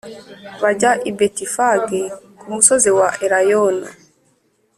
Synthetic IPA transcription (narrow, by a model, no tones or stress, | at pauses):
βaɟaʔibetifaɡekumusoziwaʔeɾajona̰